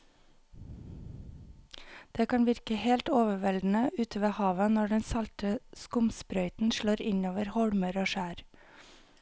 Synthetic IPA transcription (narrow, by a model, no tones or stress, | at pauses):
d̪̥eːkʰɑnʋɪɾkəheːlt̪oːʋəʋɛld̪n̩əʔʉːt̪ʰəʋeːhɑːʋənɔɖɛnsɑlt̪əskʊmspɾœʏt̪n̩ʃɭoːɾɪnoːʋəɾhɔɽməɾoːʃæːɾ